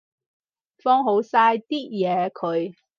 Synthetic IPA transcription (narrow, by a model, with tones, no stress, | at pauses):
fɔː˥ŋɦo˨˥wsaː˧jt̪iː˥jɛː˨˧kʰɵ˨˧ɥ